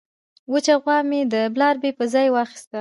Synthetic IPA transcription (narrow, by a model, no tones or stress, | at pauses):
wət͡ʃaɣwɑmed̪əblɑɾbepəzɑjwɑxi̥st̪a